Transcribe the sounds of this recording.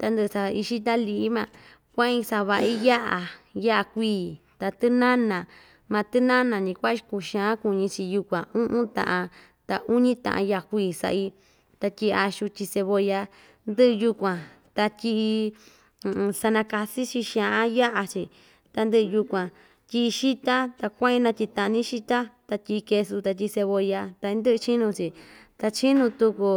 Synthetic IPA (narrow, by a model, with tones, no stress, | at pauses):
t̪a˧nd̪ɨ˧sa˧i˧ʃi˦d̪a˦li˧ʔmã˧ | kʷã˦ĩ˧sa˧βa˧ʔi˦ja˦ʔa˨ja˦ʔa˧kʷiː˧˨ | t̪a˧t̪ɨ˦nã˦nã˨ | mã˧t̪ɨ˦nã˦nã˨nĩ˧kʷa˦ʃi˧ku˧˨ʃã˧˦ku˧ɲĩ˧t͡ʃi˧ju˧kʷã˨ũ˦ʔũ˦t̪ã̰˧˨ʔã˧ | t̪a˧ʔu˦ɲĩ˦t̪ã̰˨ʔã̰˧ja˦˧ʔkʷiː˧˨sa̰˧ʔi˧ | t̪a˧tʲi˧a˧ʃu˧t͡ʃʲi˧se˧βo˧ja˧ | nd̪ɨ˦ʔju˧kʷã˨ | t̪a˧tʲi˧ʔi˧ | sa˧nã˧ka˧si˦t͡ʃi˧ʃã˧ʔã˦ja˦ʔa˧t͡ʃi˧ | t̪a˧nd̪ɨ˦˧ju˧kʷã˨ | t̪ʲi˧ʃi˦t̪a˦t̪a˧kʷã˦ĩ˧nã˧t̪ʲi˧t̪ã˧ʔnĩ˦ʃi˦t̪a˦t̪a˧tʲi˧ke˧su˧t̪a˧t̪̬ʲi˧se˧βo˧ja˧t̪a˧nd̪ɨ˦ʔɨ˧t͡ʃi˦nũ˧t͡ʃi˨t̪a˧t͡ʃi˦nũ˧t̪u˧ku˧